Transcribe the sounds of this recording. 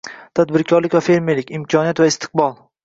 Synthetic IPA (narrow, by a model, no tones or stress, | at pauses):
t̪ʰad̪bɪɾkʲʰɒɾlɪkʲvafeɾmelɪkʲɪmkʰɒnijat̪vaɪst̪ʰɪ̥q̚bɒlˠ